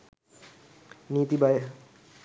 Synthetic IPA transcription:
nit̪ibae

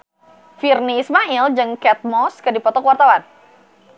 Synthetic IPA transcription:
firniːsmaild͡ʒɨŋkɛt̪̚mɔskɨdipɔt̪ɔkwart̪awan

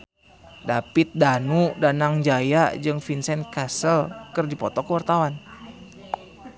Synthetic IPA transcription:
dapit̪̚danudanaŋd͡ʒajad͡ʒɨŋfinsɛnkasəlkɨrdipɔt̪ɔkəwart̪awan

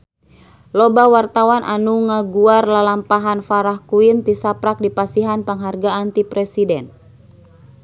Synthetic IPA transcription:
lɔbawart̪awanʔa̰nuŋaɡuarlalampaɦanfaɾahkuint̪isapɾak̚dipasiɦanpaŋɦarɡaant̪ipɾɛsidɛn

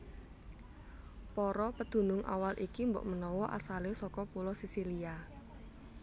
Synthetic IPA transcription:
pɔɾɔpəd̪̥ṳnʊŋʔa̰walʔikimbɔ̰ʔmənɔwɔʔa̰salesɔkɔpulɔsisilia

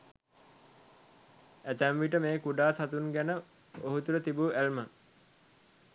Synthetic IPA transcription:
æt̪æmʋiʈəmeːkuɖaːsat̪unɡænə | oɦut̪uɾət̪ibuʔælmə

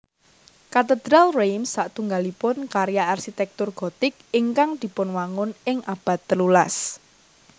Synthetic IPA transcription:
kat̪əd̪̥ɾalrejmsːaʔt̪uŋɡalipʊnkaɾjaʔarʃit̪ɛk̚t̪ʊrɡ̥o̤t̪ɪk̚iŋkaŋd̪̥i̤pʊnwaŋʊnɪŋʔab̥ä̤t̪ːəlula̰s

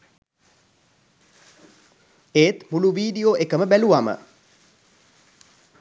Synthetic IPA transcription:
eːt̪muluʋiːɖijoːʔekəməbæluamə̰

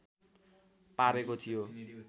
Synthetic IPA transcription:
paɾekot̪ʰijo

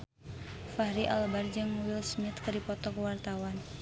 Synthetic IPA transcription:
fahɾiʔa̰lbard͡ʒɨŋmuwɪlsmɪt̪kɨdipɔt̪ɔkəwart̪awan

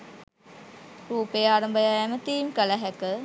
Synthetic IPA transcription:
ruːpejaːɾɐmbəjaæmət̪iːmkələɦækə

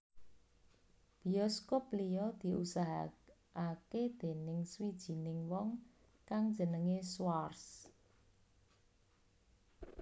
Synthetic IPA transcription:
b̥i̤ɔskoplijɔd̪̥i̤usaɦa | aked̪̥e̤nɪŋswid̥ʒ̥i̤nɪŋwɔŋ | kaŋd̥d͡ʒ̥ə̤nəŋeswars

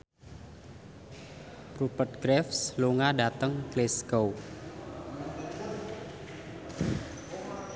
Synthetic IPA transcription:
pɾupət̚ɡɾɛfsluŋadat̪əŋkleskow

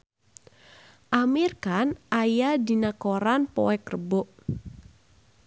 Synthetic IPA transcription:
ʔamirkanajadinakoɾanpɔ̰wɛkrəbɔʔ

